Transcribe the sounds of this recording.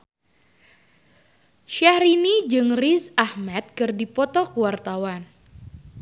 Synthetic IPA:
ʃahɾinid͡ʒɨŋrisahmɛt̪̚kɨrdipɔt̪ɔkuwart̪awan

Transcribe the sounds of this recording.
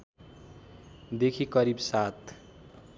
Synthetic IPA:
d̪ekʰikʌɾibsat̪

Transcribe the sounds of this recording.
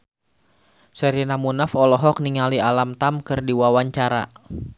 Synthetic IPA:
sɛɾinamunafɔlɔɦɔk̚niŋalialamt̪amkɨrdiwawaɲt͡ʃaɾa̰

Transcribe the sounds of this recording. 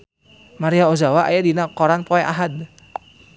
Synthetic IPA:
maɾiaozawaʔa̰jadinakɔɾanpɔɛʔaɦad̪

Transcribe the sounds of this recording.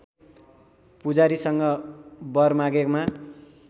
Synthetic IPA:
pud͡zaɾisʌŋɡʌbʌrmaɡekma

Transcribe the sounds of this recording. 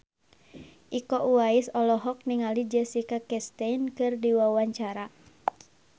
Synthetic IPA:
ʔikɔʔuaisɔlɔɦɔk̚niŋalid͡ʒɛsikakɛst̪ɛnkɨrdiwawaɲt͡ʃaɾa

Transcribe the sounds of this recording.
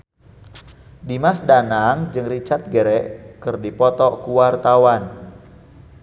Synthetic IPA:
dimasdanaŋd͡ʒɨŋrit͡ʃat̪̚ɡəɾɛʔkɨrdipɔt̪ɔkuwart̪awan

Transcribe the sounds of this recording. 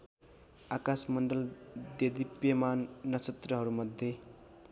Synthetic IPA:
akasmʌɳɖʌld̪ed̪ipjemanːʌt͡sʰʌt̪rʌɦʌɾumʌd̪ʱje

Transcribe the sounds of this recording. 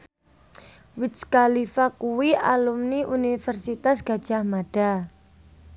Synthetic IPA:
wɪt̪skalifakuwialumniʔunifərsit̪asɡ̥a̤d̥ʒ̥a̤hmaɖ̥a

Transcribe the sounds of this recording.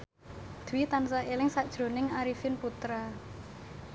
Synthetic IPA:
d̪̥wit̪ansaelɪŋsad̥ʒ̥ɾo̤nɪŋaɾifɪnput̪ɾa

